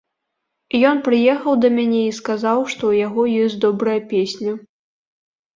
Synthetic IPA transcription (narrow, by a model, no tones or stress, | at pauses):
jɔnpɾɨjɛxɐwd̪ɐmʲanʲɛiskazawʂt̪ɔwjaɣɔjɔsʲtʲd̪ɔbɾɐjɐpʲesʲnʲɐ